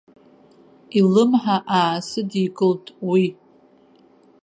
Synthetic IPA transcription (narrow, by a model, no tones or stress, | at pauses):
ilɨmħaʔaːsɨdiɡʼɨltʼwi